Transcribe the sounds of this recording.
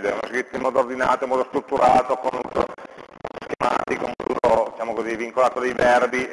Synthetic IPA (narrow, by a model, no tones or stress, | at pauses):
d̪ɛunoskɾit̪ːoimːɔːd̪ord̪ina̰ːt̪oimɔːd̪ost̪ɾut̪ːuɾʔaːt̪okonut̪o̰ | skema̰ːt̪ikoummd̪ṵːɾod̪it͡ʃaːmokoziviŋkolaːt̪od̪ejvɛrbi